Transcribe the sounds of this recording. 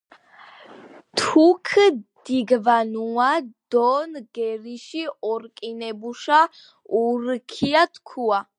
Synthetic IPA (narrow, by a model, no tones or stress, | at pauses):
t̪ʰukʰd̪̥iɡvanuad̪̥ɔnɡɛɾiʃiɔɾkʼinɛbuʃa | uɾkʰiat̪ʰkʰua